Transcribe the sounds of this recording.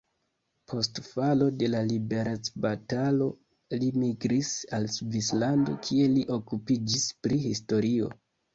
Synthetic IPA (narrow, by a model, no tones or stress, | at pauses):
pʰo̞stfalo̞de̞lalibe̞ɾat͡sbatalo̞ | limiɡɾisalsvislando̞̰kʰie̞liʔo̞kupid͡ʒispɾihisto̞ɾio̞̰